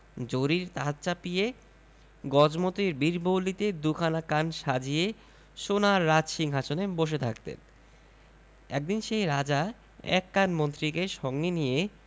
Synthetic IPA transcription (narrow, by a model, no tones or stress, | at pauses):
d͡ʑoɾiɾt̪at̪t͡ɕapije | ɡɔd͡ʑmot̪iɾbiɾbʱowlit̪ed̪ukʰanakanʃad͡ʑije | ʃonaɾːad͡ʑʃiŋɦat͡ɕʰoneboʃ̬et̪ʰakt̪ḛn | ɛk̚d̪inʃejɾad͡ʑa | ɛ̰kːanmont̪ɾikeʃɔŋɡenije